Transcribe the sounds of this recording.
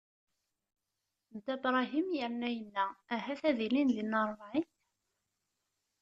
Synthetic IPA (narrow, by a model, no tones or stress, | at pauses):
nt̪æbɾˤɑɦimjəɾnæjənːææɦæθæðilinðinəɾˤʕin